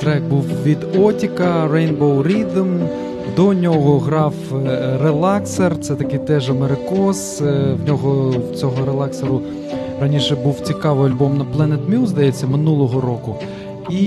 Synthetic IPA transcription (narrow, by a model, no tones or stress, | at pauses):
t̪ɾɛk̚buwʋʲid̪ɔtʲikɐrɛjnbɔwɾʲid̪m | d̪ɔnʲɔɦɔɦɾɑwɾelˠɑksert̪sɛt̪ɐkɪjt̪ɛʒɐmeɾɪkɔswnʲɔɦɔwt͡sʲɔɦɔɾelˠɑkseɾʊ | ɾɐnʲiʃɛbuwt͡sʲikɑʋɪjɐlʲbɔmnɐplˠɛnet̪mʲuzd̪ɐjɛt͡sʲːɐmɪnulˠɔɦɔɾɔkʊ | i